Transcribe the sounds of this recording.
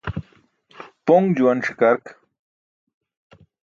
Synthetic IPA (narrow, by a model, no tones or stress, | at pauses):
poŋɡd͡ʑuwɐnʂikaɾk